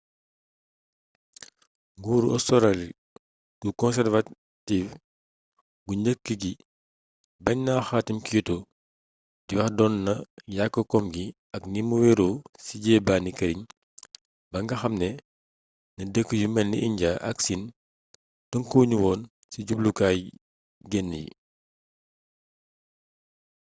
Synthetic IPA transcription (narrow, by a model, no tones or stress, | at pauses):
ŋɡuːɾuɔ̰sɔɾali | ɡ̥ukɔnsɛrva | tiːf | ɡuɲəkːəɡi | bɐɲnaːxaːtimkijutɔ | diwɐxdɔnːɐjakːəkɔmɡi | ɐknimuwɛɾuːsiɟɛːbaːnikɐɾiɲ | bɐŋɡɐxɐmnɛ | nɐdəkːəjumɛnːiʔiɲɟaʔɐ̰ksin | tɐŋkuːɲuwɔːn | siɟublukaːj | ɡɛnːijḭ